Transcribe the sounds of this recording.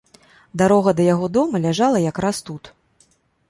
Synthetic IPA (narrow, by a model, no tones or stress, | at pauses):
d̪aɾɔɣɐd̪ɐjaɣɔd̪ɔmɐlʲaʐalˠɐjakɾast̪ut̪